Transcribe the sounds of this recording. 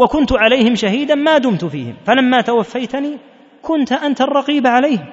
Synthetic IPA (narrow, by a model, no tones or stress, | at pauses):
wakʊnt̪ʕalajhɪmʃaɦiːd̪anmaːd̪ʊmt̪ʊfḭːhɪ̰mfalamːaːt̪awafːajt̪niː | kʊnt̪ʔant̪arˤːɑqiːbaʕalajhɪm